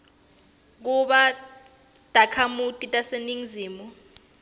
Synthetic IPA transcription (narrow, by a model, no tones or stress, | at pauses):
k̬uɓa | d̥ʱakʰamutʼitʼaseniŋziːmu